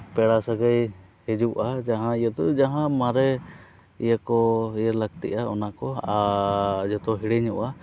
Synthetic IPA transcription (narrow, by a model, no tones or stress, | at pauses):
pɛɽasaɡəj | hɛd͡ʒuʔad͡ʒaɦãijɛt̪ɔd͡ʒaɦãmaɾɛ | ijakɔijəɾlak̚t̪ɛ̰ʔaɔnakɔad͡ʒɔt̪ɔɦiɽɛɲuʔa